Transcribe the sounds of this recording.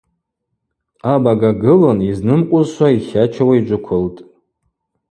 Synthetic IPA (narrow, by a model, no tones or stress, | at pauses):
abaɡaɡɨloniznɨmqʷʼʊzʃʷwaiχʲat͡ʃʰawaid͡ʒʷʊkʷʰʊltʼ